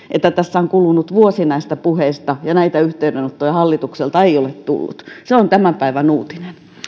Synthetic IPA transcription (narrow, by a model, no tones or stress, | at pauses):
ʔet̪ːæt̪æsːæoŋkulunut̪ʋuosinɑist̪ɑpuheist̪ɑjɑnæit̪æyht̪eydenot̪ːojɑhɑlːit̪ukselt̪ɑeiolet̪t̪ṵlːṵt̪seont̪æmæpæiʋænuːt̪inen